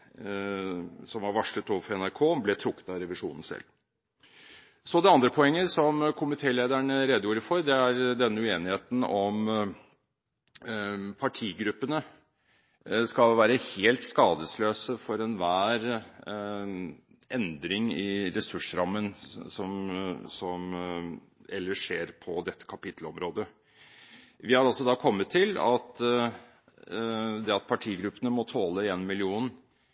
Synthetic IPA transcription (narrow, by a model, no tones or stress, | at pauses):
sɔmhɑɾʋɑʂlət̪oːʋəfɔɾɛnæɾkʰoːblɛt̪ʰɾʊkːə̥t̪ɑɾɛʋɪʂṵːnən̩sɛ̰lː | sɔd̪ɛɑnd̪ɾəpʰɔɛŋːəsɔmkʰʊmɪt̪ʰeːleːd̪æɳəɾɛd̪juːɾəfɔɾd̪ɛæɾd̪ɛnːəʉeːnɪheːt̪n̩ɔm | pʰɑʈʰiːɡɾʉpːənə | skɑlʋæːɾəheːlt̪skɑːd̪əsløːsəfɔɾɛnʋæːɾ | ʔɛnd̪ɾɪŋɪɾɛsʉʂɾɑmːənsɔmsɔm | ɛlːəʂeːɾpʰɔd̪ɛt̪ʰːə̥kʰɑpɪt̪ʰlɔmɾoːd̪ə | ʋɪhɑɾɑlsɔd̪ɑːkʰɔmːət̪ʰːɪlɑ̰t̪ | d̪ɛɑt̪̚pʰɑʈʰiːɡɾʉpːənəmɔt̪ʰoːləeːnmɪlɪuːn